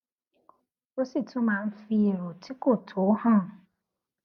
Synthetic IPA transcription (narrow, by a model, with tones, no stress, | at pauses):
o˦si˦˨tʰʊ̃˦mã˨˦n̩˦fi˦˨ɾo˨tʰi˦ko˦˨tʰo˨˦hã˦˨